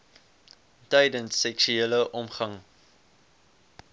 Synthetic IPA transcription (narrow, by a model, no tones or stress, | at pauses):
tɛjdənsːɛkʃyeləʔɔmχɐŋ